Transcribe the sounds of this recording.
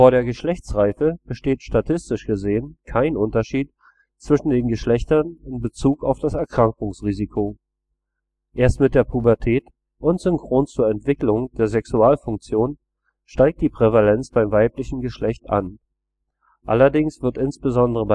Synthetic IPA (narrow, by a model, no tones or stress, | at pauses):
foːɐɾeːɐɡəʃlɛçt͡sʁaɪfəb̥əʃteːtʃtatʰɪstɪʃɡ̥əzeːənkʰaɪnʔʊntɐʃiːt | t͡sv̥ɪʃn̩deːnɡəʃlɛçtɐnɪnbət͡suːkaʊfd̥asɛɐkʁ̥aŋkʊŋsʁiːzikʰo | ʔeːɐstmɪt̚d̥eːɐpʰubɛɐtʰɛːt | ʔʊntz̥ʏŋkʁ̥oːnt͡suːɐɛntv̥ɪklʊŋd̥eːɐzɛksuaːlfʊŋk̚t͡sjoːn | ʃtaɪk̚td̥iːpʁ̥ɛvalɛnt͡sb̥aɪmvaɪplɪçn̩ɡəʃlɛçta̰n | ʔa̰lɐdɪŋsv̥ɪɐtʔɪnsb̥əzɔndəʁəba